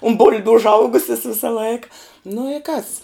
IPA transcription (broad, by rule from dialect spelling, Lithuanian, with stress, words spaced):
ʊn ˈbʊlʲbʲʊ ʊʒˈɐʊɡʊsʲɪs ˈʋʲɪsɐ ˈlˠɐɪkɐ nʊ ɪ kɐs